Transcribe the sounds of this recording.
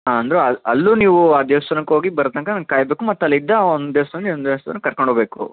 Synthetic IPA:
ɦaɐnd̪ɐɾeɐɐlːuniːʋuaːd̪jeːst̪ɐɾnɐkɦo̞ːɡibɐɾɐt̪ɐŋkɐnɐŋɡkaːjbeːkumɐt̪ːɐlːid̪ːɐond̪d̪eʋsɐlːiond̪est̪ɐnːkɐɾkoɳɖoːbe̞ːkṵ

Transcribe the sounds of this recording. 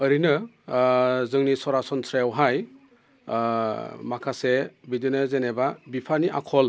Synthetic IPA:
ɯɾinɯ | zɯŋnisɔɾasɔnsɾajawɦaj | makʰasebidinɯzenebabipʰaniʔa̰kʰɔl

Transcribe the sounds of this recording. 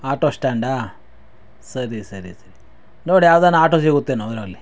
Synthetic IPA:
aːʈoːsʈaːɳɖaː | sɐɾisɐɾisɐɾi | noːɽijaːʋd̪aːnaːʈosiɡut̪ːenod̪ɾalːi

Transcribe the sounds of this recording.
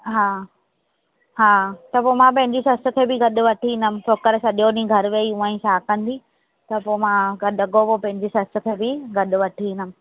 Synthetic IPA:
ɦaː | ɦaːt̪ɐpomãpɐ̃ɦɪ̃ɲd͡ʑisɐst̪ʊ̆kʰeːbɪɡɐɗʊʋɐʈʰiĩnəmɪ̃̆sʰoːkəɾsɐɗijoːnĩɡʱɐɾʋeiũãːĩʃʰaːkɐ̃nd̪i | t̪ɐpoːmãɡɐɗɐɡopopɐ̃ɦɪ̃ɲd͡ʑisɐst̪ʊ̆kʰeːbɪɡɐɗʊ̆ʋɐʈʰiĩːnəmɪ̃̆

